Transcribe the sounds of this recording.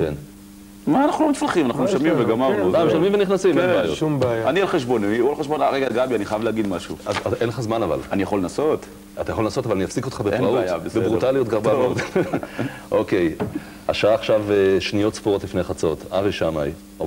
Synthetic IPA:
ken | maːnaχnulomit̪falχimanaχnumʃalmimveɡamauameʃalmimveniχnasimebeajotʃumbeajaanialχeʃboniulχeʃbonaʁeɡaɡabianiχajavleaɡid̪maʃuazaʔenleχazmanava̰lanijaχolnasot̪ | at̪ajaχo̞lnasotavalanijafsiko̞t̪χabeʁautːjabesbebʁutaljot̚ɡaʁbameod | ʔokej | aʃaːχʃaveʃnijo̞tsfoʁo̞tlifnejχat͡so̞taʁiʃama̰j | o

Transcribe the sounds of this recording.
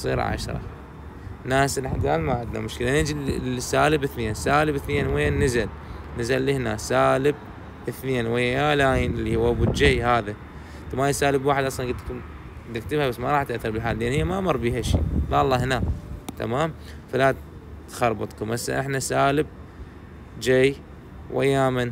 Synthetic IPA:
sˤḭːɾʕa̰ʃɾˤɑ̰ | naːsaħt̪ɡaːlmaʕɪd̪na̰mʊʃkəlaʔnːd͡ʒisaːlɪbʔɪθnɪjːansaːləbɪθnɪjːanweːnːɪzal | nɪzalːəhnasaːlɪb̚ | ʔɪθnɪjːanwejːajalaːjɪnɪlːihwabud̪̚d͡ʒaːhaːða | t̪amaːisaːləbwaːħɪd̪ʔɑsˤlɑnɡɪd̪kʊm | d̪ak̚t̪ɪbhabasːmaɾˤɑːħt̪ɪʔθɪɾˤbɪlħaːlːjʔanhijːamaʔmɑrˤːbiːhaʃḭlalˤːɑːhɪnat̪ʰa̰maːm | fala | t̪xɑɾˤbɨt̪ˤkʊmʔasʔɪħnasaːlɪb̚ | d͡ʒaj | wʔa̰jːamɪn

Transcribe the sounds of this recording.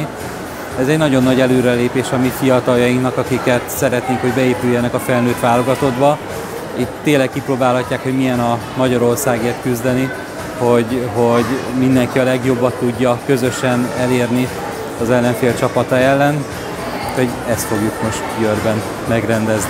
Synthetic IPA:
ɛzɛɟnɒɟo̞nːɒɟɛløːɾɛleːpeːʃɒmifijɒt̪ɒljɒjiŋknɒkɒkikɛt̪sɛɾɛt̪neːŋkhoɟbɛeːpyjːɛnɛkɒfɛlnøːt̪ʋaːlo̞ɡɒt̪od̪bɒ | it̪ːeːlːɛkkiproːbaːlɦɒcːaːkhoɟmijɛnɒ | mɒɟɒɾo̞rsaːɡeːrt̪kyzd̪ɛni | ho̞ɟɦo̞ɟmind̪ɛŋkiɒlɛɡjo̞bːɒt̪ːuɟːɒkø̞zø̞ʃɛnɛleːrni | ɒzɛlːɛɱfeːlt͡ʃɒpɒt̪ɒɛlːɛn | ut̪ho̞ɟ | ɛst̪fo̞ɡjukmo̞ʃt̪ɟørbɛn | mɛɡrɛnd̪ɛzni

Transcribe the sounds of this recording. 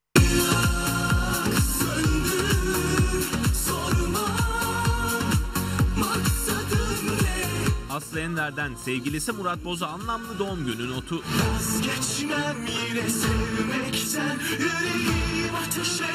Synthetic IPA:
sødy | soɾuma | maɾsad̪ɯn | aslˠajanlʲæɾd̪ænsɛvɟilʲisimuɾat̪̚bo̞zaanlˠamlˠɯd̪o̞mɟynyno̞t̪ʰuazɟɛt͡ʃmæmjiɾɛsøjlymɛcsænjøɾiimat͡ʃʰɯʃa

